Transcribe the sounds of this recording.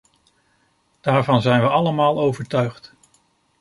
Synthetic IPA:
d̥aːɹvɑnzɛjnʋəɑləmaːlˠowvəɹtœɥχt

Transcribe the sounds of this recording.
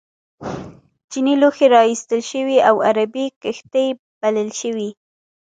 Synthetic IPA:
d͡ʒiniloxeɾɑist̪əlʃəwiawaɾabikəxt̪əj | b̥aləlʃəwi

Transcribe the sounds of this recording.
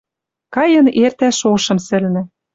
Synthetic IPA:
kɑjɤ̆nert̪æʃoʃɤ̆msɘ̆lnɘ̆

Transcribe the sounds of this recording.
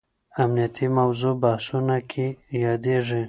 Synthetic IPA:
amnijat̪ʰimawzobahsunakʰejɑd̪eʐi

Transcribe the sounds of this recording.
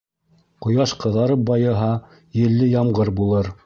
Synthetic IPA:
qŏjɑʃqɤ̆ðɑɾɤp̚bɑjɤ̆ɦɑ | jɘ̆lːɘjɑmʁɤɾbulˠɤɾ

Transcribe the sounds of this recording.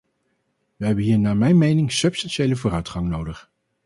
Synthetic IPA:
ʋəɦɛbənɦiːɹnaːmɛjnmejnɪŋsɵpstɑnʃejləvʊːrœɥtχɑŋnowdəχ

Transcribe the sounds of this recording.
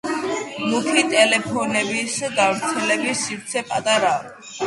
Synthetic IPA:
mukʰit̪ʼɛlɛpʰɔnɛbisd̪avɾt̪sʰɛlɛbisːiɾt̪sʰɛpʼat̪ʼaɾa

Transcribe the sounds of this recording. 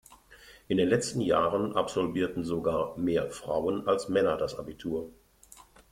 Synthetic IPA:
ʔɪndeːnlɛt͡stn̩jaːʁənʔa̰pz̥ɔlviːɐtn̩zoɡaːɐmeːɐfʁ̥a̰ʊənalsmɛnɐdasʔabitʰuːɐ

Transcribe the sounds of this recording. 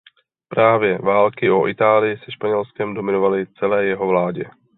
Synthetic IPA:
pɾaːvjɛvaːlkɪʔoʔɪt̪aːlɪjɪsɛʃpaɲɛlskɛmdo̞mɪnovalɪt͡sɛlɛːjɛɦo̞vlaːɟɛ

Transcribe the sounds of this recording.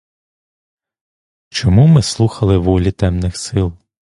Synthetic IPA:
t͡ʃɔmumɪslˠuxɐlˠɪʋɔlʲit̪ɛmnɪxsɪlˠ

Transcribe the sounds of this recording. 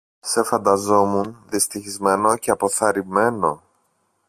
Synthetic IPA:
se̞fɐnd̪ɐzo̞munðist̪içizme̞no̞ce̞ɐpo̞θɐɾime̞no̞

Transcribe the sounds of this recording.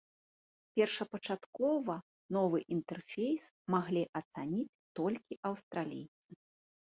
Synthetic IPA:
pʲɛrʂɐpɐt͡ʂat̪kɔvɐ | nɔvɨʔint̪ɛrfʲejs | maɣlʲiʔɐt̪sanʲit͡sʲt̪ɔlʲkʲiʔɐwst̪ɾalʲḭjt̪sɨ

